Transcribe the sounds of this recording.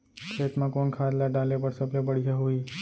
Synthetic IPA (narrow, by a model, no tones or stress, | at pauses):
kʰet̪mãkoɳkʰaɾlaɖalepəɽsəplepəɽid͡ʒaɦoi